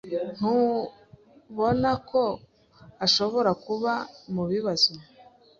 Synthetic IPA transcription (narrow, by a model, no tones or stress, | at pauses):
n̥u | βo̞nakʰo̞ | aʃo̞βo̞ɾakuβamuβiβazi